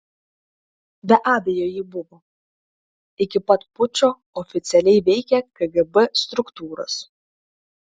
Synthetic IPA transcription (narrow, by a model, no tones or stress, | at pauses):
bʲɛʔɑːd̪ʲɛjoːjɪbʊʋoː | ɪkʲɪpɐt̪pʊt͡ʃʲoː | ɔfʲɪt̪sʲɛlʲɛɪʋʲɛɪkʲɛkɐɡɛbɛst̪ɾʊkt̪uːɾo̰s